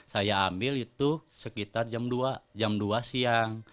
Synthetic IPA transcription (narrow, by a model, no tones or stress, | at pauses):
sajaːmbɪlit̪usəkit̪ard͡ʒamduad͡ʒamduasiaŋ